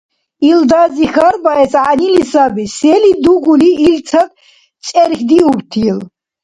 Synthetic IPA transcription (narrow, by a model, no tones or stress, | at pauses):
ild̪azixaɾbaɛsʕanilisabisɛlid̪uɡuliːlt͡sʰad̪̚ | t͡sʼɛɾxd̪iubt̪ʰil